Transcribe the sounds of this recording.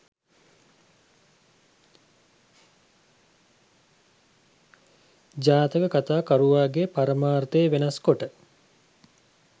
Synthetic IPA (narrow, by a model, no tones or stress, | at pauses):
d͡ʒaːt̪əkəkat̪aːkaɾuʋaːɡepaɾəmaːrt̪əːʋenɐskoʈə